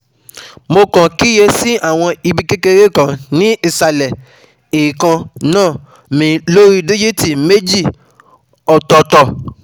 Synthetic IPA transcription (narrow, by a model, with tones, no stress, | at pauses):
mo˧kã˨ki˦je˧si˦ʔa˦˨w̃ɔ̃˧i˧bi˧ke˦ke˧ɾe˦˨kã˨nĩ˦i˦˨sa˧lɛ˨ | e˨ɾi˨kã˧nãː˦˨ | mĩ˨˧lo˦ɾi˦de˦d͡ʒe˦ti˦˨me˦d͡ʒi˦˨ | ɔ˨tɔ˧tɔ˧˨